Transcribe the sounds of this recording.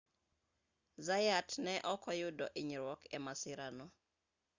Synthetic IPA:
zajatnɛʔɔkɔjʊdɔʔiɲɾwɔkɛmasɪɾanɔ

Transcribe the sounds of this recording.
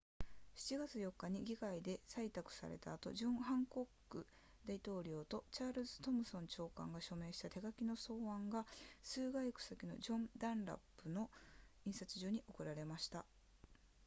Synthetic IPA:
ɕi̥t͡ɕiɡat͡sɨjo̞kːaɲ̟iɡʲikaid̪e̞sait̪akɯ̟̥sa̰ɾe̞̰t̪a̰ːt̪o̞̰d͡ʑɨ̃ɰ̃ɦãŋko̞kːɯ̟̰ | d̪ait̪o̞ːɾʲo̞ːt̪o̞t͡ɕaːɾɯzɨ̥t̪o̞mɯ̟sõ̞ɲt͡ɕo̞ːkã̰ŋɡaɕo̞me̞ːɕi̥t̪at̪e̞ɡakʲino̞so̞ːãŋɡasɨːɡaikɯ̟̥sakʲino̞̰d͡ʑõnd̪ãnɾa̰pːɯ̟no̞ĩɰ̃sat͡sɨʑoːɲ̟iʔo̞kɯ̟ɾaɾe̞maɕi̥t̪a

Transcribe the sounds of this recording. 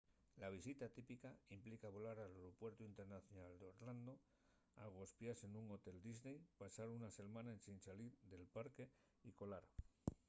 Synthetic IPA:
laβ̞isit̪at̪ipikaimplikaβo̞laɾaleɾopwe̞ɾt̪uint̪e̞ɾnaθjo̞nald̪eo̞ɾland̪o̞ | a̰ɣ̞o̞spjase̞nuŋo̞t̪e̞ld̪izne̞jpasaɾunase̞lmãnaensinsaliɾðe̞lpaɾke̞ | iko̞laɾ

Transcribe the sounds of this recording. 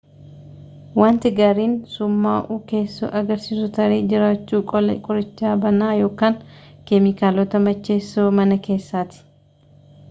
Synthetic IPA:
waːnt̪ɪɡɐɾiːnsʊmːaːʔuːke̞ːsːo̰ːʔɐɡɐɾsiːsʊt̪ɐɾeːd͡ʒɪɾaːt͡ʃːuːkʼɔlɐkʼɔɾɪt͡ʃːaːbɐnaːjo̞ːkaːŋkɛmɪkaːlɔt̪ɐmɐt͡ʃːe̞ːsːoːmɐnɐke̞ːsːaːt̪ɪ̥

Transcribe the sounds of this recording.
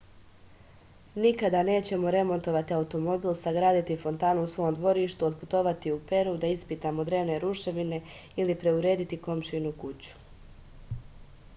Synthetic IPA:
nikad̪aːne̞ːt͡ɕe̞mo̞ɾe̞mo̞nt̪o̞ʋat̪iaut̪o̞mo̞biːlˠsaɡɾaːd̪it̪ifo̞nt̪aːnuusʋo̞ːmd̪ʋo̞ɾiːʃt̪uo̞d̪put̪o̞ʋat̪iupe̞ɾud̪aispit̪amo̞d̪ɾe̞ːʋne̞ɾuʃe̞ʋine̞ | ilipɾe̞uɾe̞ːd̪it̪iko̞mʃiːnukut͡ɕu̥

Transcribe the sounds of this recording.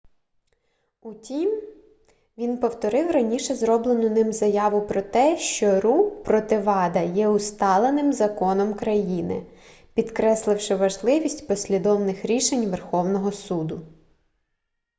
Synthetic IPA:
utʲim | ʋʲinpɔwt̪ɔɾɪwrɐnʲiʃɛzɾɔblˠenʊnɪmzɐjɑʋʊpɾɔt̪ɛʃt͡ʃɔɾupɾɔt̪ɪʋɑd̪ɐjɛʊst̪ɑlˠenɪmzɐkɔnɔmkɾɐjinɪ̰ | pʲid̪kɾɛslˠɪwʃɪʋɐʒlˠɪʋʲisʲtʲpɔsʲlʲid̪ɔwnɪxɾʲiʃenʲʋerxɔwnɔɦɔsud̪ʊ

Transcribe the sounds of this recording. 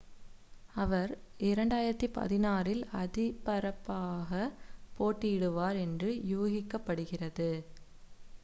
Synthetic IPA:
ɐʋɐɾɪɾɐɳɖaːjɪɾɐt̪ːipɐ̰ðɪnaːrɪlɐðɪpɐɾɐpːaːɣɐpoːʈːɪjɪɽɯʋaːɾɛndrɯjuːɣɪkːɐpːɐɽɯɣɪrɐðɯ

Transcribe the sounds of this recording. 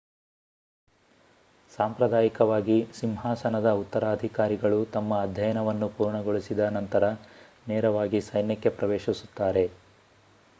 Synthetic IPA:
saːmpɾɐd̪aːjikɐʋaːɡisimɦaːsɐnɐd̪ɐut̪ːɐɾaːd̪ʱikaːɾiɡɐɭut̪ɐmːɐːd̪ʱjɐjɐnɐʋɐnːupuːɾɳɐɡo̞ɭisid̪ɐnɐnt̪ɐɾɐ | neːɾɐʋaːɡisɐjnjɐkːe̞pɾɐʋeːʃisu̥t̪ːaːɾe̞

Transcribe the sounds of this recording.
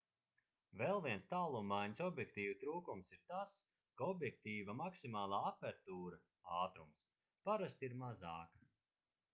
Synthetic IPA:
vɛlˠviɛst̪aːlˠuːajɲsɔbjɛkt̪iːvit̪ɾuːkumsiɾt̪as | kaɔbjɛk̚t̪iːvamaksimaːlˠaːapɛɾt̪uːɾa | aːt̪ɾums | paɾast̪iɾmazaːka

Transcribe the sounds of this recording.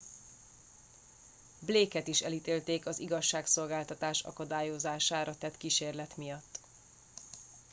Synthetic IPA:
bleːkɛt̪iʃɛlit̪eːlt̪eːkɒziɡɒʃːaːkso̞lɡaːlt̪ɒt̪aːʃɒ̰kɒd̪aːjozaːʃaːɾɒt̪ɛt̪kiʃeːrlɛt̪mijɒt̪ː

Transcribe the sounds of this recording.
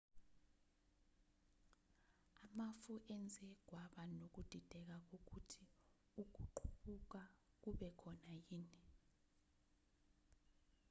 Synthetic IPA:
amafuʔɛnd͡zʱɛɡ̥ʱwaɓanok̬ud̥ʱid̥ʱɛk̬ak̬ok̬utʰi | uk̬uǃʰuɓuk̬a | k̬uɓɛkʰɔnajiːni

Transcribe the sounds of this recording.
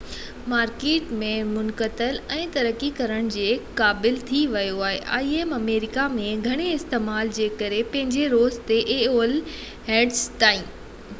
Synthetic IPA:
maːɾkeːʈmẽmʊnkət̪əlɛ̃ːt̪ɐɾəkːikɐɾəɽ̃d͡ʑeːkaːbɪlt̪ʰiʋɐjoaːɦḛʔa̰ːiemɐmeːɾɪkamẽɡʱɐɽ̃eɪst̪eːmaːld͡ʑeːkɐɾepɐ̃ɦɪ̃ɲd͡ʑeɾoːzt̪eʔeːoːl | ɦeːɖst̪aːĩː

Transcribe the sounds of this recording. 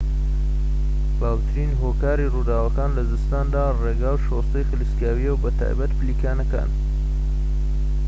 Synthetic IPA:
baːwt̪ʰɨɾiːnɦoːkaːɾirud̪aːwɐkaːnlɐzɨst̪aːnd̪aːreːɡaːwʃost̪əjxɨlɨskjaːwijewbɐt̪ʰa̰ːjbat̪pɨlikaːnɐka̰n

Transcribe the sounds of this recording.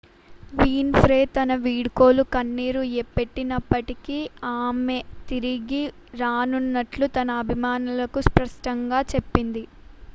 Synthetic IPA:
ʋiːnfʰɾeːt̪ɐnɐʋiːɽko̞ːlukɐnːiːɾuɛpːe̞ʈːinɐpːɐʈikiːaːmet̪iɾiɡi | ɾaːnunːɐʈlut̪ɐnɐːbʱimaːnulɐkuspɾɐʂʈɐŋɡaːt͡ʃe̞pːind̪i

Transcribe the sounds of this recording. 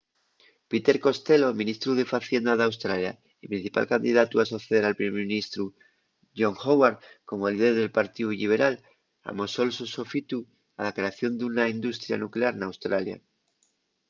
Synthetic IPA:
pit̪e̞ɾko̞st̪elomĩnist̪ɾuðefaθje̞nd̪aðaws̬t̪ɾalja̰ | ipɾin̟θipa̰lkand̪iðat̪uasoθeðeɾalpɾiememĩnist̪ɾu | ʝoŋxowaɾko̞moeliðeɾðe̞lpaɾt̪iðuʎiβ̞e̞ɾal | a̰mosolsosofit̪u | alakɾe̞aθjo̞nd̪unaind̪ust̪ɾja̰nukleaɾnawst̪ɾalja̰

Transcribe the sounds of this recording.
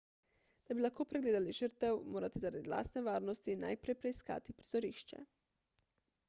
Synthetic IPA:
d̪̥abilaxkoːpɾɛɡleːd̪aliʒəɾt̪ɛwmoːɾat̪izaɾad̪ila̰ːst̪nɛʋaːɾnɔst̪ina̰jpɾɛjpɾɛiska̰ːt̪ipɾizɔɾiːʃt͡ʃɛ̰

